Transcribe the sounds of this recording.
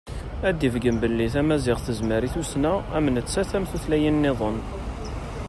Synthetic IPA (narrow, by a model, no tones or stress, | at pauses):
æd̪ːivɡəmbəlːiθæmæzɪʁθəzməɾiθusnææmənət͡sːæθæmθuθlæjənːeðˤən